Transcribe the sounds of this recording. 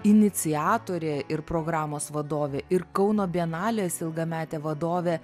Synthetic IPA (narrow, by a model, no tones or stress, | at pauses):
ɪnʲɪt͡ssʲɪæːt̪oːɾʲeːɪɾpɾoːɡɾɑːmoːsʋɐd̪oːʋʲeːɪɾkɐʊnoːbʲiɛnɑːlʲeːsɪlˠɡɐmʲæːt̪ʲeːʋɐd̪oːʋʲeː